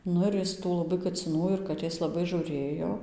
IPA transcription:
ˈnʊ ɪr ˈjɪs tuː lˠɐˈbɐɪ kɐt͡sʲɪˈnuː ɪr kɐˈtʲeːs lˠɐˈbɐɪ ʒuːˈrʲeːjoː

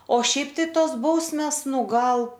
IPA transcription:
oː ˈʃʲɛɪp tɐɪ ˈtoːs ˈbɐʊsʲmʲeːs ˈnʊ ˈɡɐlˠ

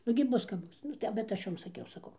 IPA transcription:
nʊɡʲɪ ˈbʊs kɐp ˈbʊs ˈnʊ tɐɪ bʲɛt ˈɐʃ ˈjoːm sɐˈkʲɛʊ sɐˈkɐʊ

